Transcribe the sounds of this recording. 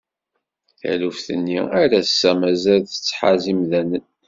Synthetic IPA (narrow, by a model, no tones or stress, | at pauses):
θə̰ʕlufθə̰nːiæɾæsːæmæzælθə̥t͡sːħa̰zimðænən